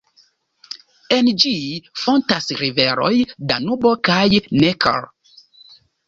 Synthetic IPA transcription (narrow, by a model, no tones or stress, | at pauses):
end͡ʒifɔntasɾivɛɾɔ̰jdanubɔkajnɛkʰa̰l